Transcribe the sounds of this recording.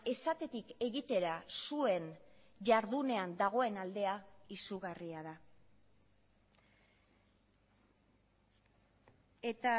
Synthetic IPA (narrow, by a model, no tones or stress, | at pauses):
e̞sat̪e̞t̪ike̞ɣit̪e̞ɾasue̞n | ʝaɾðune̞and̪aɣ̞o̞e̞nald̪e̞aisuɣariaða | et̪a